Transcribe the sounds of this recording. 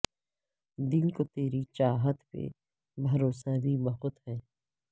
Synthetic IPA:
d̪ɪnkot̪eːɾit͡ʃaːɦət̪pḛ | bʱɐɾoːsabʱibɐɦʊt̪ɦɛː

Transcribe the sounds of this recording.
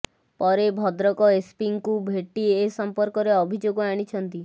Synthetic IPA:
pɔɾebʱɔd̪ɾɔkɔespiŋkubʱeʈiesɔmpɔɾkɔɾeɔbʱid͡ʒoɡɔaɽ̃it͡ʃʰɔnt̪i

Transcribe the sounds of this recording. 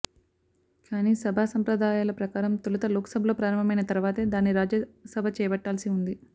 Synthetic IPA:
kaːniːsɐbʱaːsɐmpɾɐd̪aːjaːlɐpɾɐkaːɾɐmt̪ulɐt̪ɐloːksɐbʱɐloːpɾaːɾɐmbɐmɐjnɐt̪ɐɾuʋaːt̪e̞ːd̪aːnːiɾaːd͡ʒɐsɐbʱɐt͡ʃɛːbɐʈːaːlsiund̪i

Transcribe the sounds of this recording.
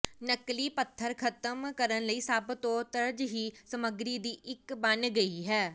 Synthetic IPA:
nəkliːpət̪ʰːəɾkʰət̪əmkəɾənləiːsəbt̪õːt̪əɾd͡ʒɦiːsəməɡɾiːd̪iːʔɪkbənɡəiːɦɛː

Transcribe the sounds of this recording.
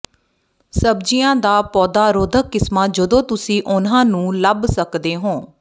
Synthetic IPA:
səbd͡ʒijãːd̪aːpɔːd̪aːɾoːd̪ʱəkːɪsmaːd͡ʒəd̪õːt̪ʊsĩːʔʊnãːnũːləbsəkd̪eːɦõː

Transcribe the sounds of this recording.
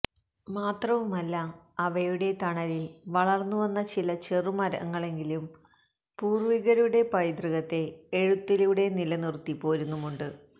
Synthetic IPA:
maːt̪rɐʋumɐlːɐː | ʋɐjuɽe̞t̪ɐɳɐlilʋɐɭɐrnːuʋɐnːɐt͡ɕilɐt͡ɕerumɐɾɐ̰ŋːɐɭe̞ŋɡilum | puːrʋiɣɐɾuɽe̞pɐjd̪riɣɐt̪ːe̞ːɻut̪ːiluɽe̞nilɐnirt̪ːipːo̞ːɾunːumuɳɖɨ

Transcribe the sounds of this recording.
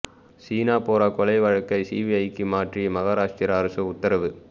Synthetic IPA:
siːnaːpoːɾaːkɔlɐɪʋɐɻɐkːɐɪsiːʋiɐɪkːɯmaːʈrimɐɣaːɾaːʂʈiɾaɾɯsɐʊt̪ːɐɾɐʋɯ

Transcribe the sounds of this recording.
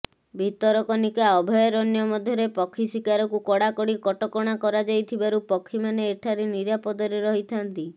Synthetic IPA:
bʱit̪ɔɾɔkɔnikaɔbʱɔjɔɾɔnjɔmɔd̪ʱjɔɾepɔkʰːisikaɾɔkukɔɽakɔɽikɔʈɔkɔɽ̃akɔɾad͡ʒajt̪ʰibaɾupɔkʰːimaneːʈʰaɾeniɾapɔd̪ɔɾeɾɔɦit̪ʰant̪i

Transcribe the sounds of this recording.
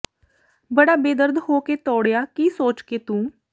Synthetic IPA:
bəɽaːbeːd̪əɾd̪hoːkeːt̪ɔːɽjaːkiːsoːt͡ʃkeːt̪ũː

